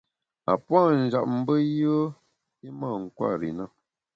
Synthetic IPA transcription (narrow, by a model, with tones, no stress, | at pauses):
a̰˨pwa˦˨n̩˨d͡ʒa˨p̚m̩˦bə˦jə˦ | i˦mə˦˨ŋ̩˨kwa̰˦˨ɾḭ˨nə˦˨